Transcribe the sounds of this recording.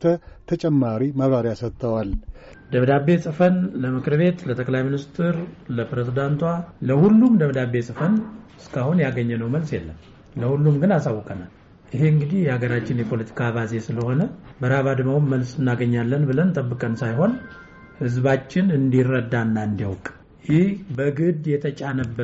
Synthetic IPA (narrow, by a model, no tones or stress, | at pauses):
t̪ʰət̪ʰət͡ʃʼɛmːaɾiməβɾaɾjasət̪ʰːəwal | d̪əβd̪abːe̞sʼɨfənləmɨkʰɨɾβe̞t̪lət̪ʼəkʼlajminist̪ʰɨɾləpɾezid̪ant̪waləhulːumd̪əβd̪abesʼɨfənɨskʰahunjaɡəɲːɛnəwməlsjɛlːəm | ləhulːumɡɨnasawːɔkʼənal | ʔiɦe̞ɨŋɡɨd̪ihjɛaɡəɾat͡ʃːɪnjɛpʰo̞lət̪ʰi̥kʰaβaze̞sɨləho̞nəbəɾaβad̪ɨmawmːəlsɨnːaɡəɲːalːənbɨlənt̪ʼəbːɨkʼənsajɦo̞n | hɨzbat͡ʃːɪnɨnd̪irːəd̪ːanːaɨnd̪iwkʼ | jɪhbəɡɨd̪jɛt̪ʰət͡ʃʼanəbːə